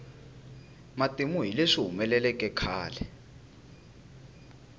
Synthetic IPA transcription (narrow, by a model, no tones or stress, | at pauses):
matʼemuɦileʂiɦumɛlɛlɛkʼɛkʰaːlɛ